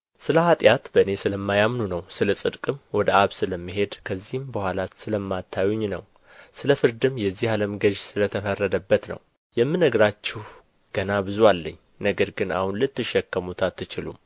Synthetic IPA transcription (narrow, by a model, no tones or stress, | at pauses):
sɨləhat̪ʼjat̪bəɨne̞sɨləmːajamnunəwsɨləsʼɨd̪kʼɨmwɔd̪əaβsɨləmːɨɦe̞d̪kʰəzːihɨmbəhʷwʷalasɨləmːat̪ʰːajuɲnə̰w | sɨləfɨɾd̪ɨmjɛzːihaləmɡəʒsɨlət̪ʰəfərːəd̪əbːət̪nə̰w | jɛmːɨnːəɡɾat͡ʃːɪh | ɡ̥ənabɨzwalːə̰ɲː | nəɡəɾɡɨna̰hunlɨt̪ːɨʃːɛkːəmut̪ʰat̪ːɨt͡ʃɪlṵm